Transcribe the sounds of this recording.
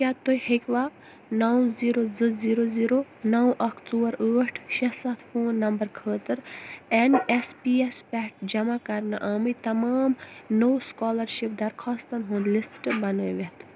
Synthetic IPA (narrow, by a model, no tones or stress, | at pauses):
kʲaːt̪ojhekʲʋa | nɐwziːɾozɨziːɾoziːɾo | nɐwʔɐkʰt̪uːɐɾəːʈʰʃɐsɐt̪ʰfʰoːnːɐmbɐɾkʰəːt̪ɨɾenespiːespʲɛʈ̚ʰd͡ʒɐmakɐɾnɨʔaːmit̪ɐmaːmnowskɔːlɐɾʃip̚d̪ɐɾkʰaːst̪ɐnɦũːnd̪lisʈɨbɐnoːjʋet̪ʰ